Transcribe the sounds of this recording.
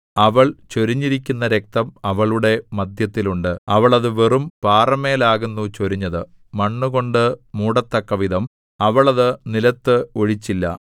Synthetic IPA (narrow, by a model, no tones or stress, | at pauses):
ɐʋɐɭt͡ɕo̞ɾiɲːiɾikʲːunːɐɾe̞k̚t̪ɐmɐʋɐɭuɽe̞mɐd̪ʱjɐt̪ːiluɳɖɨɐʋɐɭɐðɨʋerumpaːrɐmeːlaːɣunːut͡ɕoɾiɲːɐðɨ | mɐɳːuɣo̞ɳɖɨmuːɽɐt̪ːɐkːɐʋiðɐm | ɐʋɐɭɐðɨnilɐt̪ːɨo̞ɻit͡ɕːilːɐ̰